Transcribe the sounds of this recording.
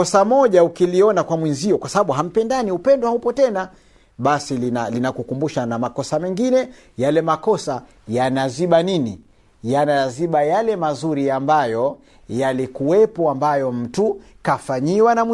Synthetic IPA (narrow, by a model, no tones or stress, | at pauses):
ɔsamɔʄaukiliɔnakwamwinziɔkwasaɓaɓuɦam̩pɛndaniupɛndɔhaupɔtɛna | ɓasilinalinakukumbuʃanamakɔsamɛŋɡinɛ | jalɛmakɔsa | janaziɓanini | janaaziɓajalɛmazuɾiambajɔ | jalikuwɛpɔambajɔm̩tukafaɲiwanam